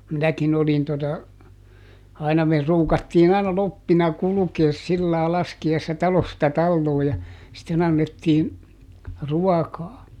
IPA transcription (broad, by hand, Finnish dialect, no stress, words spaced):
minækin olin totɑ ɑinɑ me ruːkɑtːiːn ɑinɑ lopːinɑ kulukeːs silːɑː lɑskiɑisːɑ tɑlostɑ tɑlːoː jɑ sitːen ɑnːetːiːn̞ ruɑkɑː